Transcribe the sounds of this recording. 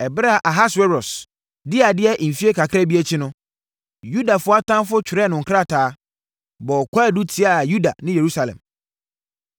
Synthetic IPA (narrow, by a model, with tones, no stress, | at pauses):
ɛ˨bɾa˨ʔa˨ɦa˦swɛ˦ɾɔ˨s | dɪ˦a˨dɪ˦ɛ˦ʔ̩˨fi˦e˦kʰa˨kʰɾa˦bi˦ɛ˦t͡ɕʰɪ˦nʊ̃˦ | ju˦da˨fʊ˦a˦tʰã˦m˦fʊ˦t͡ɕʰᶣɪ˨ɾɛ˦nʊ̃˨ŋ̩˨kʰɾa˦˨tʰaː˨˦ | bɔ˨ɔ˨kʰʷa˦˨du˦tʰi˦a˨ju˦da̰˨nɪ̃˦je˨ɾu˦sa˨lɛ̰̃˨m